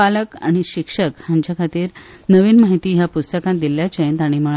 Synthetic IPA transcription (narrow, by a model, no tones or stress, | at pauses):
aləka̰ɽ̃iɕikʂəkhaɲt͡ɕakʰat̪iːɾnəʋiːnmaɦit̪iːɦjapust̪əkãn̚d̪iljat͡ɕəjẽnt̪aɽ̃iməɭ